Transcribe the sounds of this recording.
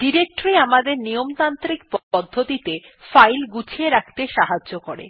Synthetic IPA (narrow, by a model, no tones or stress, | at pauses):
ɖiɾek̚ʈoɾiamad̪eɾnijomt̪ant̪ɾikpɔd̪ʱːot̪it̪e | fajlɡut͡ɕʰieɾakʰt̪eʃaɦad͡ʑʑokoɾḛ